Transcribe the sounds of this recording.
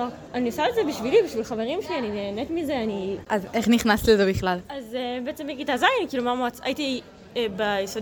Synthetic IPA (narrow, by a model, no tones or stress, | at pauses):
o | aninosaleze̞biʃvilibiʃvilχave̞ʁimʃelianineːnetmize̞aniʔazeχniχnast̪ilezebiχlalazbeet͡semeɡitazajanikiːlumamat͡sa̰jiti | bejisod